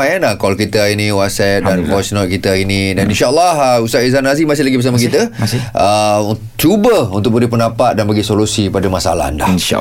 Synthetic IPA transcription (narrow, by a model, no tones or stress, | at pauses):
ajanahkɔlkit̪əinĩwat̪sɛt̪̚danfɔsnɔt̪̚kit̪əinĩdaninʃaəlːahəusaʔizanazimasɪhlaɡibəɾs̬amakit̪əʔə | t͡ʃubəunt̪ʊk̚bəɾipənapat̪̚danbaɡisolusipadamasa̰la̰ndainʃa̰